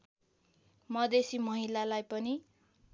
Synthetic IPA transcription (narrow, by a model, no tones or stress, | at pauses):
mʌd̪esimʌɦilalajpʌni